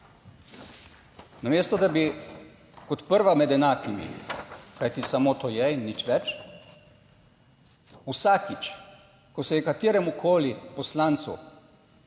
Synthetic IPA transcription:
nameːst̪ɔd̪abi | kɔt̪pəɾʋamɛd̪ɛnaːkʰimḭkajt̪isamoːt̪oːjɛnːit͡ʃʋɛt͡ʃ | usaːkit͡ʃ | kɔsɛjɛkat̪eːɾɛmukʰoːlipɔslaːnt̪sṵ

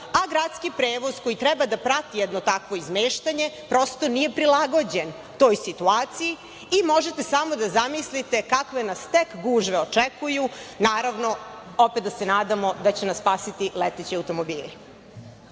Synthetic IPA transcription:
aɡɾat̪skipɾeːʋo̞zko̞jit̪ɾɛbad̪apɾat̪ijɛd̪not̪akʋo̞izmeːʃt̪aɲe̞pɾo̞st̪o̞nije̞pɾilaɡo̞d͡ʑe̞n | t̪o̞ːjsit̪uaːt̪siji | imo̞ʒet̪e̞samo̞d̪azamislit̪ekakʋenast̪ekɡuʒʋeot͡ʂɛkujunaːɾaʋno̞ | opet̪d̪asenaːd̪amo̞d̪at͡ɕenasspaːsit̪ilet̪et͡ɕiawt̪o̞mo̞biːli

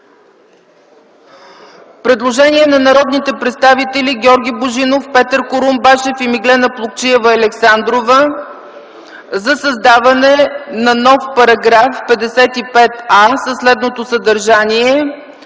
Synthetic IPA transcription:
fpɾɛd̪lˠoʒɛniɛnɐnɐɾɔd̪nit̪ɛpɾɛt̪st̪avit̪ɛliɡʲɔɾɡʲiboʒinofpɛt̪əɾkoɾumbɛʃɛfimiɡlɛnəplˠok̚t͡ʃiɛvəɐlɛksand̪ɾovə | zɐsɐzd̪avɐnɛnɐnɔfpɐɾɐɡɾafpɛd̪ɛsɛt̪ipɛt̪asɐslɛd̪not̪osəd̪ɐɾʒaniɛ

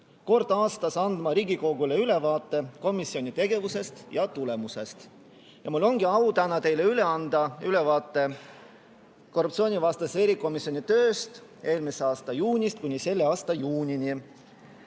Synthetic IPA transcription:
ko̞rd̪̥ɑːst̪ɑsɑnd̪̥mɑɾiːɡiko̞ɡule̞yle̞vɑːt̪ːˑe̞ko̞misio̞nʲit̪e̞ɡe̞vuse̞st̪jɑt̪ule̞muse̞st̪ | jɑmulːo̞ŋɡ̥iɑut̪ænɑt̪e̞jle̞yle̞ɑnd̪̥ɑyle̞vɑːt̪ˑːe̞ | ko̞rːup̚tsio̞ːnʲivɑst̪ɑse̞ɾikˑo̞misio̞nʲit̪ø̞ːst̪ʔe̞ːlmise̞ɑːst̪ɑjuːnʲist̪̚kunʲise̞lːeɑːst̪ɑjuːnʲinʲi

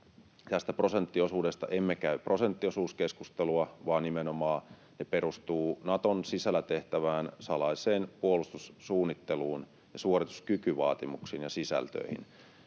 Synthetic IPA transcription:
t̪æst̪æpro̞sent̪ːiosuːdest̪ɑ̰ʔemːekæypro̞sent̪ːiosuːskeskust̪eluɑʋɑːnnimenomɑː | nepeɾust̪uːnɑt̪onsisælːæt̪eht̪æʋæːnsɑlɑiseːnpuolust̪ussuːnːit̪ːeluːn | jɑsuorit̪u̥skykyʋɑ̰ːt̪imuksiːnjɑsisæ̰lt̪ø̰ihḭn

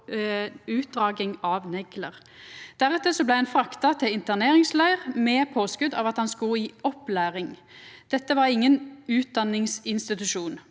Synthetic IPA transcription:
ʉːt̪̚d̪ʁɑːɡɪŋɑʋnɛɡləʁ | d̪̥æʁɛt̪ːəsɔblæɪɛnfʁɑkt̪ɑt̪ʰɪlɪnt̪əʁneːʁɪŋslæɪəʁmɛːpʰoːskʉd̪ɑ̰ʋɑt̪hɑnskʉiːɔplæːʁɪŋd̪̥ɛt̪ːəʋɑʁɪŋːənʉːt̪̚d̪ɑnːɪŋsɪnst̪ɪt̪ʉʃuːn

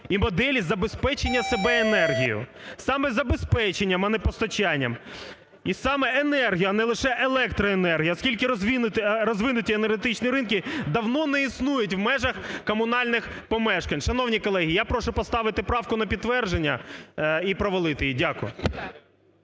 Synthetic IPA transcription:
imɔd̪ɛlʲizɐbespɛt͡ʃenʲːɐsebɛenɛrɦʲḭjʊ̰sɑmɛzɐbespɛt͡ʃenʲːɐmɐnɛpɔst̪ɔt͡ʃanʲːɐ̰m | isɑmɛenɛrɦʲijʊɐnɛlˠɪʃɛʔelˠɛkt̪ɾɔenɛrɦijɐɔskʲilʲkɪɾɔzʲinʊɾɔzʋɪnʊtʲienerɦet̪ɪt͡ʃniɾɪnkʲid̪ɐwnɔnɛisnujʊt̬ʲʋmɛʒɐxkɔmʊnɑlʲnɪxpɔmɛʃkɐnʲʃɐnɔwnʲikɔlˠɛɦʲijapɾɔʃʊpɔst̪ɑʋɪt̪ɪpɾɑwkʊnɐpʲid̪t̪ːʋɛrʒenʲːɐ | ipɾɔʋɔlˠɪt̪ɪjidʲakʊjʊ

